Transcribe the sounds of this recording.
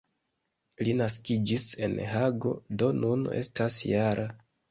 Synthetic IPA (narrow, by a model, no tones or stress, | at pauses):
linaskid͡ʒise̞̰nɦaɡo̞̰do̞nune̞̰stasjaɾʔa